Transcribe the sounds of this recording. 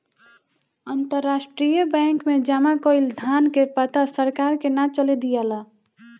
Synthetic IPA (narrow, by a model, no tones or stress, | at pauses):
ənt̪əɾːasʈɾijəbɛ̃ŋkmed͡ʒamakɔild̪ʱankepət̪asəɾkaɾkenat͡ʃəled̪ijala